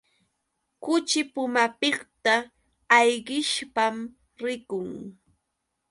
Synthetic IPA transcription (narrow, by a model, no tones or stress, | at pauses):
kʊt͡ʃɪpʊmapɪχt̪aː | jɢɪʃpam | ɾɪkʊŋ